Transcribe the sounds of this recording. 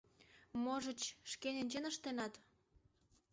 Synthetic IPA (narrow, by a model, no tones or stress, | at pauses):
moʒət͡ɕʃkenenʲt͡ɕenəʃt̪enɑt̪